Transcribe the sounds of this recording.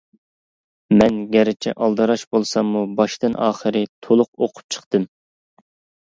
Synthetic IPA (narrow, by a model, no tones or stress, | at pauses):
mɛnɡʲɛɾɪt͡ʃʰɛ̰ʔɑlˠd̪ɨɾɑʃbolˠsɑmːubɑʃt̪ɨnʔɑ̰ːχəɾɨt̪ʰolˠʊqoqʰʊ̥p̚t͡ʃʰə̥χt̪ɨm